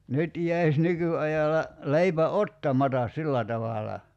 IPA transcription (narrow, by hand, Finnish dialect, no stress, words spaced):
nyt jæis nykyɑjɑlɑ leipæ otːɑmɑtɑs silːæ tɑʋɑlɑ